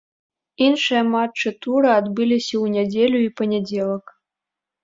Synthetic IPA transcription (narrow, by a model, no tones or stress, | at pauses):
inʂɨjɐmat͡ʂːɨt̪uɾɨad̪bɨlʲisʲɐwnʲad͡zʲelʲuipɐnʲad͡zʲelˠɐk